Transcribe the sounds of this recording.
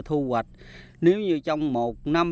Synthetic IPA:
t̪ʰu˧ɣwə˨˩t̚ | ne˨˦wɲɨ˧t͡ɕɔ˧wŋ͡mmo˨˩t̚na˧m

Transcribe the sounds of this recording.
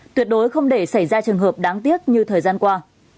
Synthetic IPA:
t̪wi˨˩ət̚ɗo˨˦jxə˧wŋ͡mɗe˧˩sa˧˩jzaː˧t͡ɕɨ˨˩əŋɦəː˨˩p̚ɗaː˨˦ŋt̪i˦˥ət̚ɲɨ˧t̪ʰəː˨˩jzaː˧nkwaː˧

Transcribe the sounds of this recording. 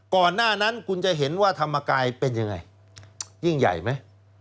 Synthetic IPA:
kɔː˨˩nːaː˥˩na˦˥nkʰu˧nt͡ɕa˨˩ɦe˩˦nwaː˥˩t̪ʰa˧mːaː˧kaː˧jpe˧nja˧ŋa̰˧j | ji˥˩ŋja̰˨˩jma˦˥j

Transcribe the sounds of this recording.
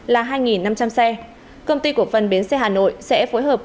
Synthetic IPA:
laː˨˩ɦaː˧jŋi˨˩nːa˧mt͡ɕa˧msɛ˧ | kə˧wŋ͡mt̪i˧ku˨˩ək̚fə˨˩nɓi˨˦ənsɛ˧ɦaː˨˩no̰˧˨jsɛ̰˧˥fo˨˦jɦəː˨˩p̚

